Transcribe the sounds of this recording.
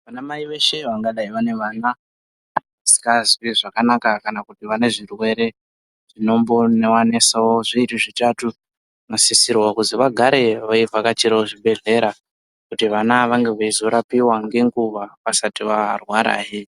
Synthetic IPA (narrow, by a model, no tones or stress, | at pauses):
ʋanamaiʋe̞ʃe̞ʋaŋɡaɗaiʋane̞ʋaːnaː | nsi̥kazwiʐakanakakanakutiʋane̞ʐirwe̞ɾe̞ | ʐ̥ino̞mbo̞newane̞sawoʐiiriʐitatu | nasisirwakuziʋaɡʱaɾe̞ʋaivakat͡ʃiɾaoʐiɓʱe̞ɮe̞ɾa | kutiʋanaʋaŋɡe̞ʋaizo̞ɾapiwaŋɡe̞ŋɡuʋaʋasatiʋarwaɾa̰ːji